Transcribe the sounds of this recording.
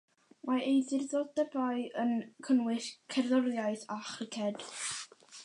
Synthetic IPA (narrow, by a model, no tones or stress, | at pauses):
maejðɪrðodəbaɨənkʰənwɪɬkʰɛrðɔɾjaɨθaχrɪkʰɛd̥